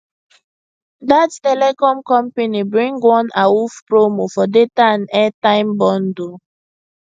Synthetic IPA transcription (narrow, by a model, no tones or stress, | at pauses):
dattɛlɛkɔ̃mkɔ̃mpenibɹĩŋɡwɔ̃naufpɹomofɔdetaãnɛtãɪ̃mbɔ̃ndo